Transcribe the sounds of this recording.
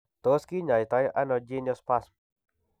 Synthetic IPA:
t̪o˦ski˦ɲa˨jt̪a˧jʔa˦nɔ˧d͡ʒe˦nɔspas

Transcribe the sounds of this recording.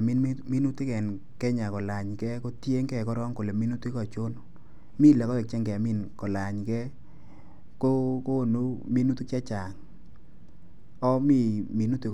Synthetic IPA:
mi˦n˦mi˦nu˦tɪ˦kɛ˨n | kɛ˦ɲa˨kɔ˨la˨ɲkɛ˦ko˦tje˦ŋkɛ˨kɔ˦ɾɔ˦ŋko˨le˨mi˦nu˦tu˦i˦kɔ˨t͡ʃo˦n | mi˦˨lɛ˨kɔ˦ɛ˨k̚t͡ʃɛ˦ŋkɛ˨mi˦˨nkɔ˨la˨ɲkɛ˦ | ko˦ko˦˨nu˦mi˦nu˦tu˦ka˦t͡ʃa˨ŋ | ɔ˦mi˦mi˨nu˦ti˦

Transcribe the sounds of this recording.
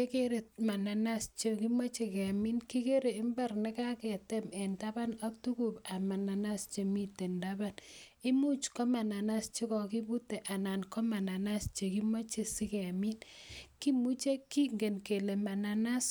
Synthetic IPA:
e˦ke˦ɾe˨t̚ma˨na˨na˦st͡ʃe˦ki˦mo˦t͡ʃe˨kɛ˨mi˦nki˦ke˦ɾe˨ɪ˦mba˦rnɪ˦ka˦kɛ˨te˦mɛ˨nda˦ba˦na˦k̚tu˦ku˨pa˨ma˨na˨na˦st͡ʃe˨mi˦te˨nda˦ba˦ni˦mu˦t͡ʃkɔ˦ma˨na˨na˦st͡ʃi˦kɔ˨ki˦bu˦te˨ʔa˨na˨nkɔ˦ma˨na˨na˦st͡ʃe˨ki˦mo˦t͡ʃe˨si˦kɛ˨mi˦nki˦mu˦t͡ʃe˦ki˦ŋɡe˨nke˨le˨ma˨na˨na˦s

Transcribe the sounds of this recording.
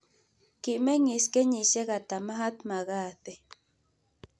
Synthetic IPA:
ki˨ʔme˦ŋi˨ske˦ɲi˨ʃe˦ɣa˨t̪a˨ma˦ɦa˦t̪ma˨ɣa˦˨t̪e˨

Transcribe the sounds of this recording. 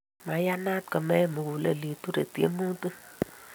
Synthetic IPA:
ma˨˦ja˦na˦t̪̚kə˨mɛ˦˨mu˨ku˨le˨li˨t̪u˦ɾe˨tḛ˦mu˦tɨ˦

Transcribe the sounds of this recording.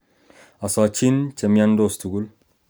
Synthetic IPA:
a˨sɔ˨t͡ʃi˦nt͡ʃɛ˨mja˦ndo˦˨stu˨ɡu˦l

